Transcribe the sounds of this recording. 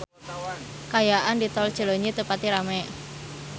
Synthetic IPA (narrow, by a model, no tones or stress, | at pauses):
kajaʔandit̪ɔld̥ʒ̥ə̤loɲit̪əpat̪iɾamɛ